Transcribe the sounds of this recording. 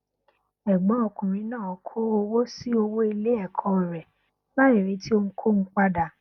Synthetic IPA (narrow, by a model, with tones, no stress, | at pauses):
ɛ˨ɡ͡bɔ˨˦ɔ˧kũ˨ɾ̃ĩ˨˧˦nãː˦˨ɔ˨kʰo˦o˧wo˦si˦o˧wo˦i˧le˦ɛ˦˨kʰɔ̃˨˧˨ɾɛ˨ | la˦i˦˨ɾi˨˦tʰi˦o˧ũ˦kʰo˦m̩̃˦k͡pa˦da˨